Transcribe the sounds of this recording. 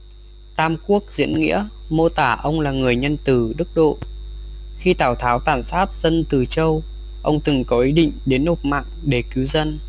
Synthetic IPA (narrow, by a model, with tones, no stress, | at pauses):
t̪aː˧mku˦˥ək̚zḭ˧˥ənŋḭ˧˥əmo˧t̪aː˧˩ʔə˧wŋ͡mlaː˨˩ŋɨ˨˩əjɲə˧nt̪ɨ˨˧˩ɗɨ˦˥k̚ɗo̰˧˨ | xi˧t̪aː˧˩wt̪ʰaː˨˦wt̪aː˧˩nsaː˦˥t̚z̥ə˧nt̪ɨ˨˩t͡ɕə˧w | ʔə˧wŋ͡mt̪ɨ˨˩ŋkɔ˨˦ʔi˨˦ɗḭ˧˨ŋ̟ɗe˨˦nho˨˩t̚ma̰ː˧˨ŋɗe˧˩ki˨˦wzə˧n